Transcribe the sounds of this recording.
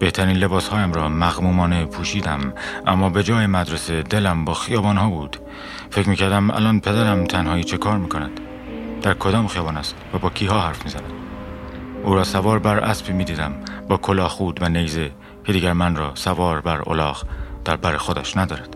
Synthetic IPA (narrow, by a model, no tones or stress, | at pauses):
b̥e̞ht̪ʰæɾiːnle̞bɒːshɒːjæmɾɒːmæɣmuːmɒːne̞pʰuːʃiːd̪æmʔæmːɒːbe̞d͡ʒɒːjemæd̪ɾese̞d̪e̞læmbɒːxijɒːbɒːnhɒːbuːd̪̥ | fecmiːcʰæɾd̪æmæ̰lɒːnpʰe̞d̪æɾæmt̪ʰænhɒːiːt͡ʃʰe̞kʰɒːɾmiːkʰo̞næd̪̥ | d̪̥æɾkʰo̞d̪ɒːmxijɒːbɒːnæst̪væbɒːcʰiːɦɒːhæɾfmiːzænæd̪̥ | ʔuːɾɒːsævɒːɾbæɾʔæ̰spʰiːmiːd̪iːd̪æmbɒːkʰo̞lɒːxuːd̪vænejze | cʰe̞d̪iːɟæɾmænrɒːsævɒːɾbæɾo̰lɒːɣd̪̥æɾbæɾexod̪æʃnæd̪ɒːɾæd̪̥